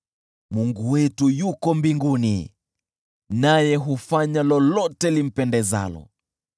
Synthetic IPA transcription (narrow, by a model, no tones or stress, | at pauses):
muŋɡuwɛtujukɔmbiŋɡunḭ | najɛɦufaɲalɔlɔtɛlim̩pɛndɛza̰lɔ̰